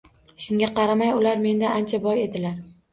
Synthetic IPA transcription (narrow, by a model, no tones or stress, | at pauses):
ʃʊŋɡʲaqɑɾamajʊlaɾme̞nd̪aant͡ʃʰabɒje̞d̪ɪlaɾ